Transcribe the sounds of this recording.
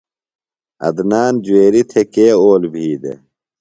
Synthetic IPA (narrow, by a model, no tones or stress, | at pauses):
ɐ̰d̪naːnd͡ʑueːɾit̪ʰekeːoːlbʱiːd̪ḛ